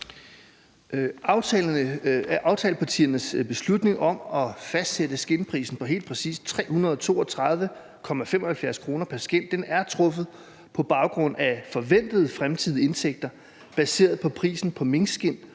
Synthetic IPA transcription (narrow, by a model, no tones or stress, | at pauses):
ʊ | ɑ̈ʊt͡sʰɛːləpʰɑt͡sʰḭːɐnəsb̥e̝slud̥ne̝ŋɒ̽mɒ̽fæsd̥sed̥əsɡ̥e̝npʰʁḭːsn̩pʰɒ̽ɦe̝̰ːld̥̚pʰʁɛsḭːst͡sʰʁɛ̰ːhunɐð̞ˠɒt͡sʰo̝̰ːɒt͡sʰʁɑ̈ð̞ˠʋə | kʰɒ̽mæfem̰ɒ̽hælfjæɐskʰʁo̝ːnɐpʰæɐsɡ̥en̰d̥enæɐt͡sʰʁɔ̽fð̩ˠ | pʰɒ̽b̥ɑ̈ʊɡ̥ʁɔ̽n̰æfɒ̽ʋen̰d̥ð̞̩ˠfʁamt͡sʰið̞̰ˠe̝nsʰeɡ̥̚d̥ɐ | b̥æse̝̰ːɐð̩ˠpʰɒ̽pʰʁḭːsn̩pʰɒ̽me̝ŋsɡ̥e̝n̰